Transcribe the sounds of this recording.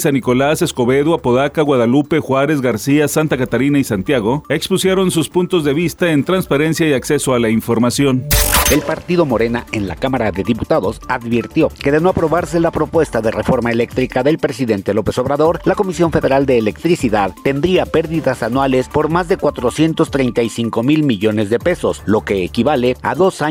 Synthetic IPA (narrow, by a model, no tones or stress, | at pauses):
sanːiko̞lase̞sko̞βe̞ðwapoðakaɣwaðalupe̞xwaɾe̞zɣaɾsiasant̪akat̪aɾinaisant̪jaɣo̞ekspusjeɾo̞nsuspunt̪o̞zðe̞βist̪ae̞nt̪ɾanspaɾe̞nsjaiakse̞soalaiɱfo̞ɾmasjo̞ne̞lpaɾt̪iðo̞mo̞ɾe̞nae̞nla̰kamaɾaðe̞ðiput̪aðo̞saðβiɾt̪jo̞ke̞ðe̞no̞apɾo̞βaɾse̞lapɾo̞pwe̞st̪aðe̞re̞fo̞ɾmaele̞k̚t̪ɾikaðe̞lpɾe̞siðe̞nt̪e̞lo̞pe̞so̞βɾaðo̞ɾlako̞misjo̞ɱfe̞ðe̞ɾald̪e̞ːle̞kt̪ɾisiðaðːe̞nd̪ɾiape̞ɾðiðasanwale̞spo̞ɾmazðe̞kwat̪ɾo̞sje̞nt̪o̞st̪ɾe̞jnt̪ajsiŋko̞milmiʝo̞ne̞zðe̞pe̞so̞slo̞ke̞ːkiβale̞a̰ðo̞sa